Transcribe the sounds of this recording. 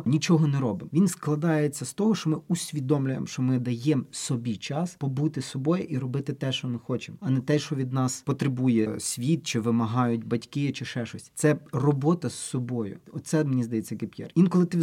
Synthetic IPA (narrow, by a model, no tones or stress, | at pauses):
nʲit͡ʃɔɦɔnɛɾɔbɪmʋʲinsklˠɐd̪ɑjet͡sʲːɐst̪ɔɦɔʃt͡ʃɔmɪusʲʋʲid̪ɔmlʲʊjemʃt͡ʃɔmɪd̪ɐjɛmsɔbʲit͡ʃɑspɔbut̪ɪsɔbɔjɪʔiɾɔbɪt̪ɪt̪ɛʃt͡ʃɔmɪxɔt͡ʃɪmɔɐnɛt̪ɛʃt͡ʃɔʋʲid̪nɑspɔt̪ɾɪbujɛsʲʋʲit̪̚t͡ʃɪʋɪmɐɦɑjʊtʲbɐtʲkɪt͡ʃɪʃɛʃɔsʲt̪sɛrɔbɔt̪ɐsɔbɔjʊ̰ɔt̪t̪sɛd̪menʲizd̪ɐjɛt͡sʲːɐkɪpʲjɛ̰rʋinkɔlˠɪt̪ɪ